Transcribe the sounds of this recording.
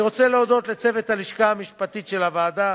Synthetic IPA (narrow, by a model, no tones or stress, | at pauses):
ʁo̞t͡seleod̪o̞t̪let͡sevet̪haliʃkaamiʃpat̪it̪ʃe̞lavaːd̪a